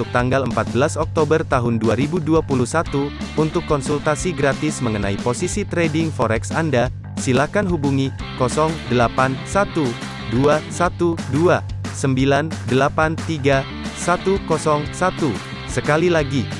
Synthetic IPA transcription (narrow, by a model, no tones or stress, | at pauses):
uk̚t̪aŋɡaləmpat̪̚bəlasɔk̚t̪obərt̪aɦʊnduaɾibuduapuluhsat̪uunt̪ʊkːɔnsult̪asiɡɾat̪ɪsməŋənaiposisit̪ɾedɪŋfɔɾɛksanda | silakanɦubuŋi | kɔsɔŋdəlapansat̪u | duasat̪uduasəmbilandəlapant̪iɡa | sat̪ukɔsɔŋsat̪u | səkalilaɡi